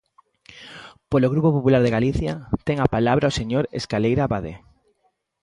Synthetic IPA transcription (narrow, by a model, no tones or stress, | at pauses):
poloɣɾupopopulaɾðeɣaliθjat̪ɛŋapalaβɾaoseɲoɾḛskalejɾaβaðḛ